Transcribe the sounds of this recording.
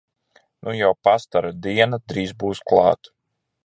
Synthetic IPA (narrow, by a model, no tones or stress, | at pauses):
nujawpast̪aɾad̪iɛnad̪ɾiːzbuːsklˠɑ̰ːt̪